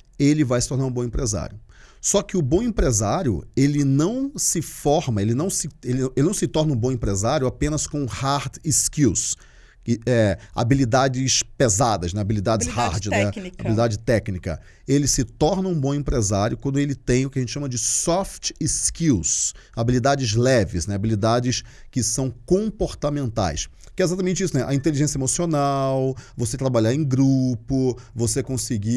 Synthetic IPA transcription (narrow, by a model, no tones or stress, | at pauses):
elɪvajsɪ̥t̪oɾnaɾũbõẽpɾeza̰ɾjʊ | sɔkɪʊbõẽpɾezaɾjʊ̰elɪnɐ̃w̃sɪfɔɾmɐelɪnɐ̃w̃sɪelɪ̃elɪnɐ̃w̃sɪt̪ɔɾnɐũbõẽpɾezaɾjʊapẽnɐskõhaɾt̪iskiws | kɪɛa̰bilid̪ad͡ʒɪspezad̪ɐznɛabilid̪ad͡ʒɪhaɾd͡ʒɪɛa̰bilid̪ad͡ʒɪt̪ɛknikɐ̰ | elɪsɪt̪ɔɾnɐ̃ũbõẽmpɾezaɾjʊkwɐ̃d̪ʊelɪt̪ẽj̃ʊkɪɐẽt͡ʃɪʃɐmɐd͡ʒɪsɔft͡ʃskiwsabilid̪ad͡ʒɪzlɛvɪznɛabilid̪ad͡ʒɪs | kɪsɐ̃w̃kõpoɾt̪amẽnt̪a̰js | kɪɛezat̪ɐmẽnt͡ʃɪisʊnɛʔɐĩnt̪eliʒẽsjɐemosionawvoset̪ɾabaʎaɾẽj̃ɡɾupʊvosekõsɪɡi